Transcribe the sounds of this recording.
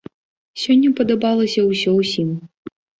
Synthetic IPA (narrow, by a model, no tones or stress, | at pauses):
sʲɔnʲːɐpɐd̪ɐbalˠɐsʲɐwsʲɔwsʲim